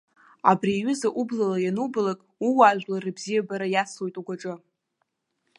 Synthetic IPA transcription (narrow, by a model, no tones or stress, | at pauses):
a̰briːɥʊzaʔublalajanubalakʼuwaʒʷᶣlarɨbzijabaɾajaslo̞jtʼuɡʷaʈ͡ʂʼɨ